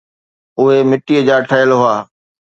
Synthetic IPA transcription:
ʊɦemɪʈiəd͡ʑaːʈʰəjəlɦʊaː

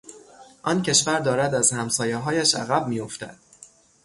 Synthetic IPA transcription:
ʔɒːncʰe̞ʃvæɾd̪ɒːɾæd̪æzhæmsɒːjeɦɒːjæʃæ̰ɣæbmijo̞ft̪æ̰d̪̥

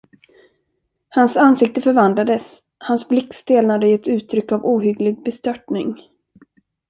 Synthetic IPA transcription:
hansansɪk̚t̪əfœɾvand̪lad̪əs | hansblɪkːst̪eːlnad̪əɛt̪ʉ̟ːt̪ʰːɾʏkːavuːɦʏɡlɪɡ̚bɛst̪œʈɳɪŋ

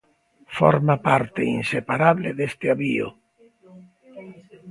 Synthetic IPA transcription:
fo̰ɾmapaɾt̪ḛinsepaɾaβleðest̪eaβio̰

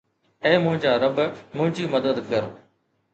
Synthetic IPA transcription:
ẽːmʊ̃ɦɪ̃ɲd͡ʑaːɾɐbmʊ̃ɦɪ̃ɲd͡ʑiːmɐd̪əd̪kɐɾ

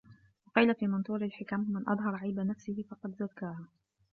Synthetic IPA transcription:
wɑqiːlafiːmɑnt̪ˤuːɾalħɪkammɪnʔɑ̰ðˤɦɑɾˤʕajbanafsɪhɪfɑqɑd̪zakːaːhaː

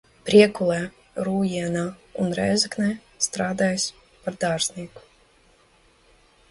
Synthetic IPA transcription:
pɾʲiɛkulˠɛː | ɾuːjiɛnaːunɾɛ̰ːzɨknɛː | st̪ɾaːd̪aːjs | paɾd̪aːɾznʲiɛku̥

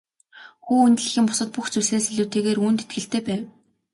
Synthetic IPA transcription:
xuːunt̪ɘ̆ɮɘ̆xʲiːmpʊ̥sə̆t̪̚puxt͡suseːseɮuːt̪eːɣeːruːnt̪et̪ɡɘ̆ɬt̪eːpæːw

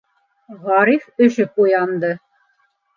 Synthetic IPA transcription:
ʁɑɾifɵ̆ʃɘpujɑnd̪ɤ

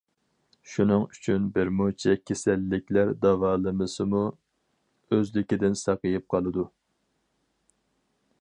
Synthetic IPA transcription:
ʃunɨŋyt͡ʃʰynbɪɾmut͡ʃʰɛkʲʰesælːɪkʲlæɾd̪ɑvɑːlˠɨmɨsɨmu | øzlɪkʲid̪ɪnsɑqəjɨp̚qʰɑlˠɨd̪u

